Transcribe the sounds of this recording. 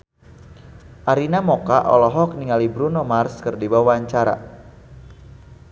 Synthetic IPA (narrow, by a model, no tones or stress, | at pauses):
ʔaɾinamokaʔɔ̰lɔɦɔk̚niŋalibɾunomarskərdibawwaɲt͡ʃaɾa̰